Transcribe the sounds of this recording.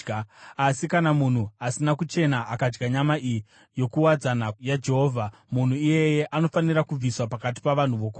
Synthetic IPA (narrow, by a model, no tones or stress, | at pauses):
asikanamun̤uasinakut͡ʃe̞naʔakad͡ʒɡaɲamaʔii | jo̞kuwad͡zanajad͡ʒe̞ɦo̞ːvʱa | mun̤uije̞je̞ʔano̞faniɾakub͡viswapakat̬i̥paʋan̤uʋo̞ko